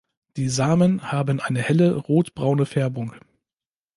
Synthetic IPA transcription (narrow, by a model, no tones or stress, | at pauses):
d̥iːzaːmənhaːbənʔaɪnəhɛləʁoːtb̥ʁaʊnəfɛɐbʊŋ